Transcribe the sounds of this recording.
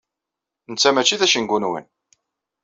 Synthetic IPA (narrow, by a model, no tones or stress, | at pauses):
nət͡sːæmæt͡ʃːiðæʃənɡunwə̰n